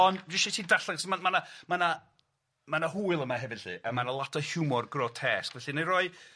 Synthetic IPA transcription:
ɔnddɪʃitʰiːdaɬaŋsɔmamanamana | manaɦuːɨlˠəmaɦɛvɪd̥ɨ̰ːʔəmanalˠatʰɔhjuːmɔrɡrɔtʰɛskvɛɬinejɾɔɨ

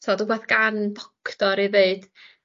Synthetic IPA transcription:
tʰɔːdubeːθɡ̥anbɔkʰd̥ɔɾiveɨd̥

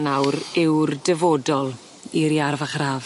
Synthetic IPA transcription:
nawɾɪwrdəvoːdɔlˠ | iɾiarvaχraːv

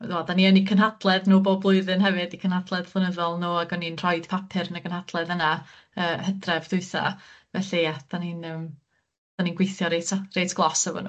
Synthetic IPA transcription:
dadaniɔnikʰənɦadlˠɛðnoːbɔblˠʊɨðɨnɦɛvɨdikʰənhad̥lˠɛðpʰlˠənəðɔlˠnoːaɡɔninr̥ɔɨd̥pʰapʰɪrnəɡənhad̥lˠɛðəna | əːhədrɛvdʊɨθa̰vɛɬiad̥aninəːm | d̥aninɡwejθjɔɾetrejtʰɡ̥lˠɔsəvɔ̰no̰

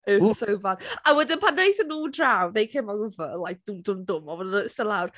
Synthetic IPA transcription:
əsəwvanawɛdɪnpʰanejθənːuːdrawðejkʰemɔʊvəlajk̚d̥udʊmdʊmɔvɔdənɔðɪstəlˠawr

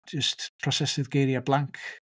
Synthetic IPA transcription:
d͡ʒəstpʰrɔsɛsɪðɡejɾjablˠaŋkʰ

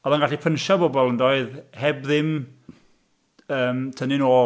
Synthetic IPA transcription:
ɔðanɡaɬipʰənʃabɔbɔlˠəndoɨðhɛbðɪm | əːmtʰənɪnoː

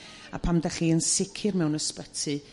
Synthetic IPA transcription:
a̰pʰamdaɬiːənsɪkʰɪrmɛwnəspətʰɨ

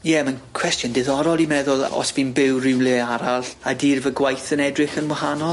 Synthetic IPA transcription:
jɛmankʰw̥ɛstjɔndɪðɔɾɔlˠimɛðʊlˠɔ̰sb̥inbɪwrɪwnleaɾalɬadiːrvəɡwajθənɛdrɨχənwahanɔlˠ

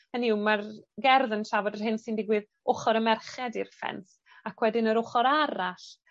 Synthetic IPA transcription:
həniwmarɡɛrðənʃavɔdərɦɪnsindɪɡwɪð | ʊχɔɾəmɛrχɛdirfɛ̰nθ | akʰwɛdɪnəɾʊχɔɾaɾaɬ

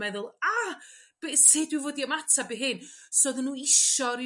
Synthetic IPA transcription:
ɛðʊlˠab̥ɛsɪdwɪvoːdiɔmatʰabeɦɨnsoðənːuːɪʃɔɾi

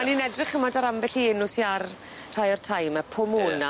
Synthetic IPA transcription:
aninɛdrɪχəmɔdaɾamvɛɬiɪnʊsiar | r̥ajɔrtʰajmapʰʊmuna

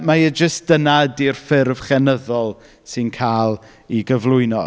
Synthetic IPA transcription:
majəd͡ʒəstd̥ənadirfɪrv̥χɛnəðɔlˠ | sɨnkʰaːlˠ | iɡəvlˠʊɨnɔ̰

